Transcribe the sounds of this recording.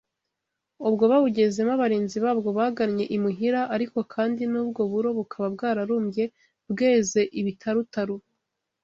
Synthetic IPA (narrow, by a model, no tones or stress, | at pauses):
ubɡo̞βaβuɟe̞ze̞maβaɾiːnziβaːbɡo̞βaɡaɾɲe̞ʔimiɦiɾaʔaɾiko̞kʰaːndinuːb̚ɡo̞βuɾo̞βukʰaβab̚ɡaːɾaɾuːmɟe̞ | bɡe̞ːze̞ʔiβitʰaɾutaɾu